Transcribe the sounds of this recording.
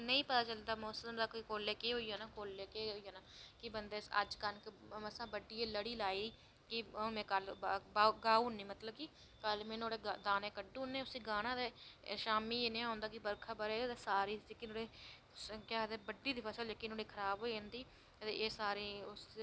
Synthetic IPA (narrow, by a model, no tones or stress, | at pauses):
nəĩːpət̪aːt͡ʃəld̪aːmoːsəəmd̪aːkːkoːleːkeːɦoːiːaːnaːkoːleːkeːɦoːiːjaːnaːkɪbənd̪eːə̰d͡ʒkənkəsãːbəɖːiːeːləɽiːlaːiːiː | kɪmɛ̃ːkəlbaːɡaːuːnĩːmət̪ləbkɪ | kəlmẽːnoːɽeːd̪aːneːkəɖũːnẽːʊsiːɡaːnãːd̪eːʃaːmiːeːnẽːɦõːnd̪aːkɪbəɾkʰaːbəɾeːd̪eːsaːɾiːd͡ʒekiːnoːɽeː | skaːd̪eːbəɖiːd̪iːpʰəsəld͡ʒekːinoːɽiːkʰəɾaːbɦoːiːãːnd̪iː | ət̪ḛːʔeːsaːɾiːʊs